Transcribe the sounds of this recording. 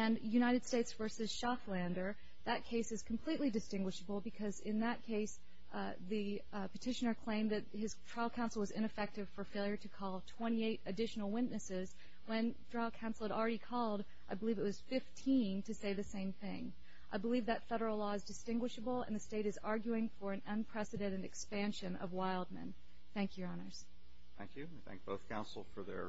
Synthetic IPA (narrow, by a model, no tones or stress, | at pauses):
ɨ̃njʉñaɪɾɨd̥steɪtsvɜ˞sɨz̥ʃɑflæ̃ndə˞ | ðɨt̚kʰeɪsɨz̥kʰm̩pʰl̥iʔˡlidɨstɪ̃ŋɡwɨʃəbl̩ˠbɨkʰʌzɪ̃nðət̚kʰeɪs | ðɨ | pɨtʰɪʃɨnə˞kʰl̥ẽɪ̃mðɨt̚hɨz̥tʰɹ̥aɪlˠkʰãʊ̃nsl̩ˠwʌzɪ̰̃ñɨfɛk̚tɨv̥fə˞feɪlˠjə˞ɾɨkʰɔlˠtʰw̥ɛ̃ɾ̃ieɪɾɨdɪʃn̩l̩ˠwɪʔⁿnɨsɪz | wɨ̃ntɹ̥aɪlˠkʰãʊ̃nsl̩ˠɨɾl̩ˠɹɛɾikʰɔlˠd | ʔaɪbəlivɨt̚wʌz̥fɪftʰĩntʰɨseɪðɨsẽɪ̃mθɪ̃ŋ | ʔaɪbəlivðɨtfɛɾə˞l̩ˠlɔɨzdɨstɪ̃ŋɡwɨʃəbl̩ˠə̰̃nðɨsteɪɾɨzɑɹɡjʉɪ̃ŋfə˞ɨ̃nə̃npʰɹ̥ɛsɨdɛ̃ɾ̃ɨɾɨkspæ̃nʃɨ̃nʌ̰vwaɪlˠd̚mɨ̰̃n | θæ̃ŋkʰjə˞ɑnə˞z̥ | θæ̰̃ŋkjʉ̃ | θæ̰̃ŋk̚b̥oʊθkʰãʊ̃nsl̩ˠfə˞ðə̰˞